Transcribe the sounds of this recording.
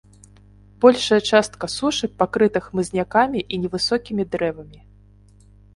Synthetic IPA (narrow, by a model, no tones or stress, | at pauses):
bɔlʲʂɐjɐt͡ʂast̪̚kɐsuʂɨpakɾɨt̪ɨxmɨzʲnʲakamʲiʔinʲɛvɨsɔkʲimʲid̪ɾɛvɐmʲi